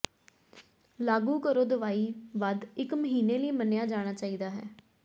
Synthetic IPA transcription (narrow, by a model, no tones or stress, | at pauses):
laːɡuːkəɾoːd̪əʋaːiːʋad̪ɪkməɦiːneːləiːmənjaːd͡ʒaːɽ̃aːt͡ʃaːiːd̪aːɦɛ̰ː